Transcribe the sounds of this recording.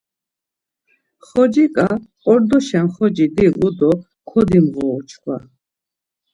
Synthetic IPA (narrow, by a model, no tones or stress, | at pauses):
χɔd͡ʒikʼaqʼɔɾd̪ɔʃɛnχɔd͡ʒid̪iʁud̪ɔ | kʰɔd̪imʁɔːt͡ʃʰχwa̰